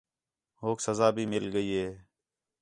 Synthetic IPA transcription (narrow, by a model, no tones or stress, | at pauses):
ɦoːksəzaːbʱiːmɪlɠəiːɦeː